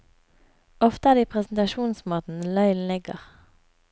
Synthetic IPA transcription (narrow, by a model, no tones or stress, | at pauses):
ɔft̪əæːʁd̪iːpʰʁɛsn̩t̪ɑʃuːnsmoːt̪n̩lœʏln̩lɪɡə̰ʁ